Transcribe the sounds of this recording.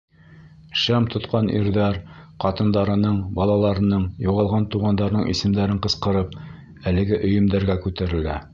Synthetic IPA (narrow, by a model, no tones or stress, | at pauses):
ʃæmt̪ʰŏt̪qɑnʔḭɾðæɾqɑt̪ɤ̆nd̪ɑɾɤ̆nɤɴbɑlˠɑlˠɑɾɤ̆nɤɴjuʁɑlˠʁɑnt̪uʁɑnd̪ɑɾnɤɴʔḭsɘ̆md̪æɾɘɴqɤ̆sqɤ̆ɾɤp̚ | ælɘ̆ɡɘʔɵ̆jɵ̆md̪æɾɡækʉt̪æɾɘ̆læ